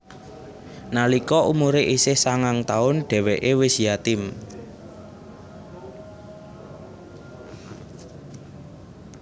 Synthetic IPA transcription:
nalikɔʔumuɾeʔisɪhsaŋaŋt̪aʊnɖ̥ɛ̤wɛʔewɪsjat̪ɪm

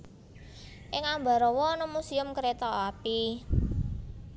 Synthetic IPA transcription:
ʔɪŋamba̤ɾɔwɔnɔmusiʊmkəɾet̪ɔapi

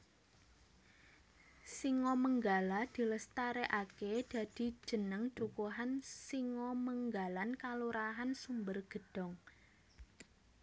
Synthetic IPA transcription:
siŋɔməŋɡalad̪̥i̤ləst̪aɾeʔaked̪̥a̤d̪̥i̤̥ʒ̥ə̤nəŋtukuɦansiŋɔməŋɡalankaluɾaɦansumbərɡ̥ə̤d̥ɔ̤ŋ

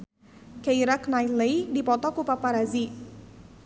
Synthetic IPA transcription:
kaiɾaknaj̪lejdipɔt̪ɔkupapaɾazi

